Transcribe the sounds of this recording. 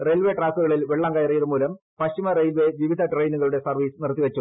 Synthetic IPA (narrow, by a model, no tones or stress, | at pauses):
relʋe̞ʈraːsuɣɐɭilʋeɭːaŋɡaːjirɐjɐðumoːlɐm | pɐɕt͡ɕimɐrejlʋe̞ʋiʋid̪ʱɐʈrejnuɣɐɭuɽesɐrʋiːsɨnirt̪ːiʋet͡ɕːu